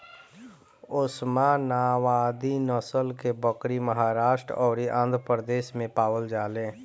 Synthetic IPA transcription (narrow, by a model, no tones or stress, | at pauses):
ʊsmãnaːwaːd̪inəsəlkebəkɾiməɦaːɾaːʃʈɾɔːɾiʔãnd̪ʱɾəpɾəd̪eːʃmẽpaːwəld͡ʒaːlẽː